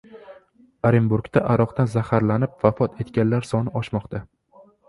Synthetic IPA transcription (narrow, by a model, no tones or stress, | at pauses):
aɾɪmbuɾɡt̪ʰaʔaɾɒqt̪anzahaɾlanɪp̚vafɒt̪ʰe̞t̪ɡʲanlaɾsɒnɪɒʃmɒqt̪ʰa